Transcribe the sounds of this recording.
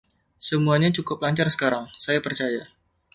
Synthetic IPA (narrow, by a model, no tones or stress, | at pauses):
səmuaɲat͡ʃukʊp̚laɲt͡ʃarsə̥kaɾaŋsajapərt͡ʃaja